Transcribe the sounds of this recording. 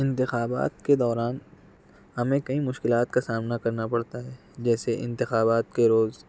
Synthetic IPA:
ɪ̃nt̪ɪxaːba̰ːt̪ked̪ɔːɾaːn | ɦɐmẽkɐĩmʊʃkɪlaːt̪kasaːmnakɐɾnapɐɽt̪aɦɛː | d͡ʒɛːseʔɪ̰̃nt̪ɪxaːbaːt̪keɾoːz

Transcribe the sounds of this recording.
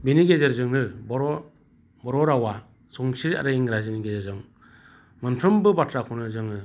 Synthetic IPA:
beniɡezaɾzɯŋnɯbɔɾɔ | bɔɾɔɾawa | sɔŋsiɾa̰ɾɯiŋɾaziniɡezaɾzɯŋ | mɯnpʰɾɯmbɯbatʰɾakʰɔnɯɾzɯŋnɯ

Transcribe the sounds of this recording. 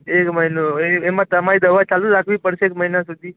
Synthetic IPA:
ekməɦinoeemãt̪əmaɾid̪əʋat͡ʃaluɾakʰʋipəɽʃeekməɦinasud̪ʱi

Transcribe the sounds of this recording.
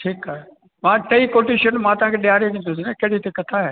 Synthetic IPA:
ʈʰiːkaːɦe | mãːʈɐikoːʈiʃənmãːt̪ɐʋ̤ãkʰeːɗɪjaːɾeʋĩːnd̪os̬inɛkɐɦɽit̪ekɐt̪ʰaɦeː

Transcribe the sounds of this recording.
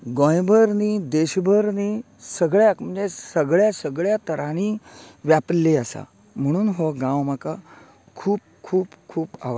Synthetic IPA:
ɡɔ̃jbʱəɾniːd̪eɕbʱəɾniː | səɡɭjakm̤ənd͡zesəɡɭjasəɡɭjat̪əɾaɽ̃iʋjaplːiəsa̰ | m̤əɽ̃uːnɦoɡãwməka | kʰuːp̚ | kʰuːpkʰuːpa̰ʋə

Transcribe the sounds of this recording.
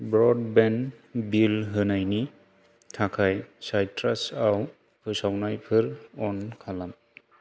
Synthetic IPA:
bɾɔd̚bɛnbilɦɯnajni | tʰakʰajsajtɾasaw | pʰɯsawnajpʰɯɾɔnkʰalam

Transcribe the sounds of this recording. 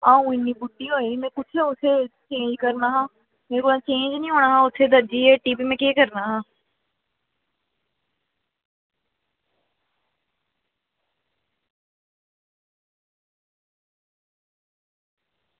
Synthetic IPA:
aːũːɪnːiːbuɖiːɦoːimɛ̃ːkʊt͡ʃʰeːʊt̪ʰːeːt͡ʃẽːɲd͡ʒkəɾnaːɦãː | meːɾuãːt͡ʃẽːɲd͡ʒnĩːɦoːɽaːɦãːʊt̪ʰːeːd̪əd͡ʒiːeːʈiːpiːmɛ̃ːkeːkəɾnaːɦãː

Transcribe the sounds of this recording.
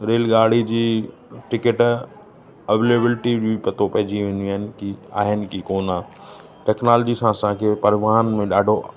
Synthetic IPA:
ɾeːlɡaːɽ̤id͡ʑiː | ʈɪkəʈ | ɐʋeːleːbɪlʈibipɐt̪opɐ̃ɦɪ̃d͡ʑiʋẽnd̪inɪ̆kia̰ːɦɪnɪ̆kikoːnaː | ʈɛːknaːld͡ʑisãsãːkʰeːpɐɾɪʋaːɦənmẽɗaːɖʱo

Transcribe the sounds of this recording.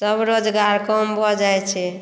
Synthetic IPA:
səbɾod͡ʒɡaɾkɔmbʱɔd͡ʒajt͡ʃʰɛ

